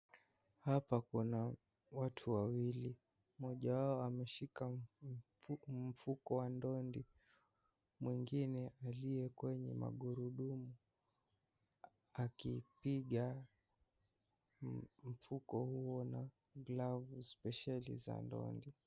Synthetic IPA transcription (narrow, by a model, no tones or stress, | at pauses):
hapakuna | watʰuwawili | mɔʄawaɔamɛʃika | m̩fukɔwandɔndi | mwiŋɡinɛʔalijɛkwɛɲɛ̰ma̰ɠuɾuɗumu | akipiɠa | m̩fukɔhuɔna | ɡlavuspɛʃalḭza̰ndɔ̰ndi